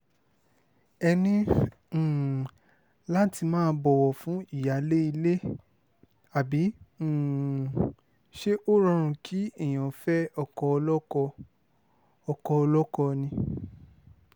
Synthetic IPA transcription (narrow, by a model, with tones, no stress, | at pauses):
ɛ˧nĩ˦˨ | la˦ti˧mãː˦bɔ˧wɔ˨fũ˨˦i˦˨ja˨˦le˦i˧le˦ | a˨bĩ˨˦˨ | ʃe˦ʔo˦ɾã˦˧ɾ̃ũ˧kʰi˦e˦˨j̃ã˨fɛ˦ɔ˧kɔ˧ɔ˧lɔ˦ɔ˧ | ɔ˧kɔ˧ɔ˧lɔ˦kɔ˧nĩ˧